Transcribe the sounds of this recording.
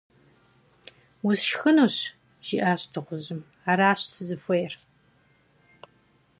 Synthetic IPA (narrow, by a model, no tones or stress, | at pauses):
ʊzʃxɨnuːɕ | ʒ̥iʔaːɕtʰɨʁʷʊʑɪm | aːɾaːɕsɨzɨfʷɔjɛr